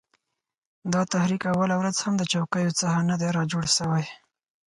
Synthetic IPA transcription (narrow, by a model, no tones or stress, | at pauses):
d̪ɑt̪ahɾikawalawɾazhamd̪ət͡ʃawkəjot͡sahanad̪eɾɑd͡ʒoɽʃəwaj